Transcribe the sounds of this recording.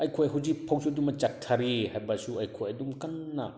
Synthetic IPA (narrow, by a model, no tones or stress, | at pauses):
ɐjkʰojɦuwzik̚pʰawsʰodumɐt͡ʃak̚tʰaɾihajbɐsuɐjkʰojɐdumkɐnːɐ